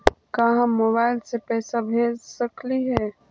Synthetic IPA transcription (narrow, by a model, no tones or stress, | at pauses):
kaɦãmoːβaːɪlsepɛːsabʱeːlsəkliɦɛː